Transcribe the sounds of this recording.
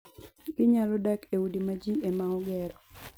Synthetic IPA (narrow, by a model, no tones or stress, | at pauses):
ɡ̥ɪɲalɔdakewudimad͡ʒiemaɔɡɛɾɔ